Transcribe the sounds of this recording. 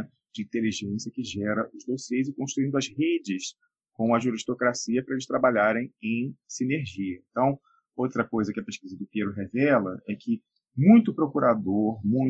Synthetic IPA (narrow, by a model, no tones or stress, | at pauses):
d͡ʒɪĩnt̪eliʒẽsiɐkɪʒɛɾɐʔʊzd̪osezɪkõʃt̪ɾuĩnd̪ʊɐzhed͡ʒɪs | kõw̃ɐʒuɾiʃt̪okɾasiɐpɾɐelɪʃt̪ɾabaʎaɾẽj̃ẽj̃sineɾʒiɐẽnt̪ɐ̃w̃ | owt̪ɾɐkojzɐkɪɐpeʃkizɐd̪ʊpeɾʊɦevɛlɐɛkʰɪ | mũj̃t̪ʊpɾokuɾad̪oɾmũj̃